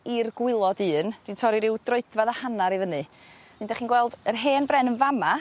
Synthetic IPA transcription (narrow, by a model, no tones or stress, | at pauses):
irɡwɪlˠɔdɨːnd̥wintʰɔɾiɾɪwd̥roɨdvaðəhanaɾivənɨnɨndɛχinɡwɛlˠd̥ərɦeːnbrɛnənvama